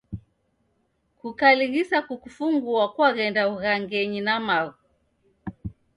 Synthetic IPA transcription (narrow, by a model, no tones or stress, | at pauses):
kukaliɣisakukufuŋɡuakwaɣɛndauɣaŋɡɛɲinamaɣu